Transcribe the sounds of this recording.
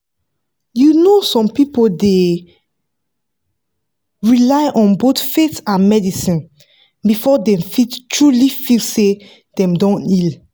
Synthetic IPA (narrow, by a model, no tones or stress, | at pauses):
junosɔ̃mpipode | ɹilaɪʔɔ̃nbotfetãnmɛdisĩn | bifɔdɛ̃mfittɹulifilse | dɛ̃mdɔ̃nil